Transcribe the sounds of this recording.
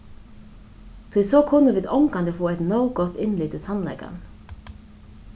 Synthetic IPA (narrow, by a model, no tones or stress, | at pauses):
t̪ʰʊɪsoːkʰʊnəʋiːd̪ɔmkɑnd̪əfoːɛɪt̪nəʊɡɔt̪ɪnlyːt̪ɪsɑnlɛ̰ɡɑ̰n